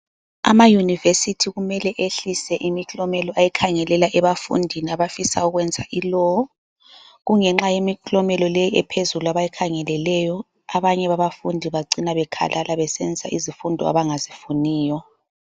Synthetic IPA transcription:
a̰majunivesitʰiɣumɛlɛʔeɬisɛʔimikʰlɔmɛlɔʔajikʰaŋɛlɛlaʔɛβafṵndʱiniaβafisa̰uɣwɛnd͡zʱaʔilɔ | ɣuŋɛŋ͡ǁajemiklɔmɛlɔlejiɛpʰezuluaβajɛkʰaŋɛlɛlɛjɔ | aβaɲɛβaβafundʱiβaǀinaβɛkʰa̰lʔalʔaβɛsend͡zʱisa̰ʔizifundʱɔ̰a̰βaŋazifuniːjɔ

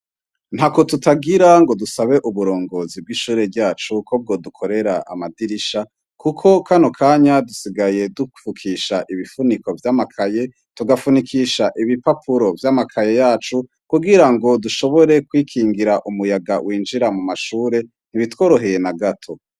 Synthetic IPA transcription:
n̥hako̞tutaɡiɾaŋɡo̞dusaβe̞ʔuβuɾo̞ːŋɡo̞ːzib̚ɡiːʃuːɾe̞bɟaːt͡ʃukʰob̚ɡo̞dukʰo̞ɾe̞ɾaʔa̰madiɾiʃa | kukʰo̞kanokʰaːɲadusiɡaje̞dufukʰiʃaʔiβifuniko̞vjaːmakʰaje̞ | tuɡafunikʰiʃaʔiβipapʰuɾo̞vjaːmakʰaje̞jaːt͡ʃu | kuɡiɾaŋɡo̞duʃo̞βo̞ɾe̞kwiːkʰiːŋɡiɾaʔumujaɡa̰wʔiːnd͡ʒiɾamumaʃuːɾe̞ | n̥iβitwo̞ːɾo̞ɦe̞je̞naɡatʰo̞

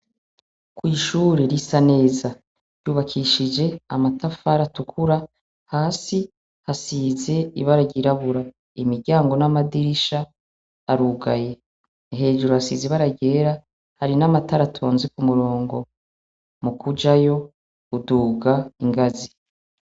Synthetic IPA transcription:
kwiːʃuɾeɾisane̞ːza | ɾjuːβakʰiʃid͡ʒe̞a̰matʰafaɾatukʰuɾa | haːsi | hasize̞iβaɾaɟiɾaβuɾa | imiɾɟaːŋɡo̞namadiɾiʃaː | ɾuɡaje̞ | ɦe̞ːʒuɾuhasḭziβaɾaɟe̞ːɾa | haɾinamataɾatʰo̞ːnzikumuɾo̞ːŋɡo̞ | mukud͡ʒajo̞ | uduːɡaiŋɡazi

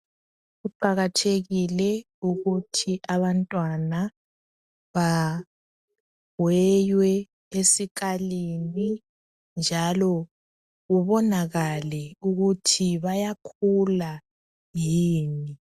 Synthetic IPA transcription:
ɣuǃaɣatʰeɣilɛ | uɣutʰiʔaβantʼwana | βa | wɛjwɛ | esik̬ʰʼalini | nd͡ʒʱalɔ | ɣuβɔnaɣalɛuɣutʰiβajakʰula | jiːni

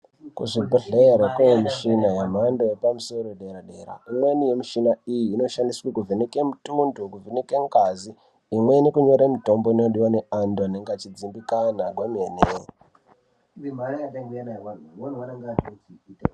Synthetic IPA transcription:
kṵʐibʱeɮeɾekujemiʃinajam̤andoepamuso̞ɾoeɗe̞ɾaɗe̞ːɾa̰imwenijemiʃinaijiːno̞ʃandiswikuvʱenekemutundokuvenekeŋɡaziː | mwe̞nekuɲo̞ɾamito̞mboino̞ɗiwane̞andoaneŋɡat͡ʃid͡zimbikanaɡʱwemeːne | imanaataŋɡuanawanonwanaŋɡanod͡ziit

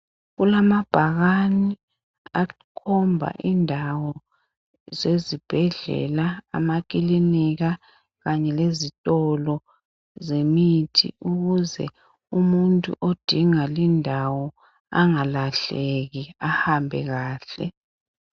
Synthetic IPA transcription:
ɣulamab̥ʱaɣani | a | kʰɔmbʱa̰ʔindʱawɔ | zezib̥ʱɛɮɛ̰laa̰mak̬ʼiliniɣa | ɣaɲɛlezitʼɔlɔ | zemitʰḭuɣuzɛ̰ | umuntʼṵʔod̥ʱiŋalindʱawɔ | a̰ŋalaɬeɣiahambʱɛ̰ɣaːɬɛ̰

